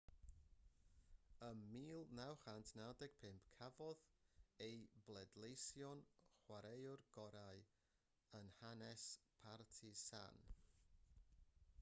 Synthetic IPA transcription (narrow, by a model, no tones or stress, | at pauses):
əmiːlˠnawχantʰnadɛɡ̥̚pʰɪmpʰkʰavɔðejblˠɛdlˠejsjɔnχwaɾejʊrɡ̥ɔɾaɨ | ənhanɛspʰartʰisa̰n